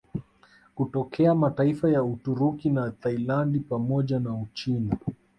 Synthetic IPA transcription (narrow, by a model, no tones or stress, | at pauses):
kutɔkʰɛamataifajautuɾukinat̪ailandipamɔʄanaut͡ʃina